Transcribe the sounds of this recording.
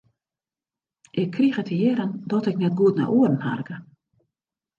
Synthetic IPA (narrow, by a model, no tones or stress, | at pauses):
ʔɪkʰːrixətʰəjeɾəndɔtɛknɛt̚ɡutna̰ʔuərn̩ha̰rɡə